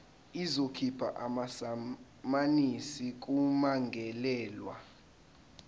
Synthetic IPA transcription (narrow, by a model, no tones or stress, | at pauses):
izokʰipʰa̰ʔamas | manisik̬ʼumaŋɡʱɛlɛːlwa̰